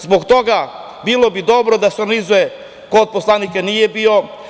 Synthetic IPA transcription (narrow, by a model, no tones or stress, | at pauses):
zboɡt̪oɡa | bilˠobid̪o̞bɾod̪aseoɾɡanizuje | kod̪̚poslˠanikanijebio